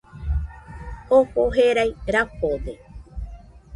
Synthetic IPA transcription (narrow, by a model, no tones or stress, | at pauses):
ohoɦeɾajɾahote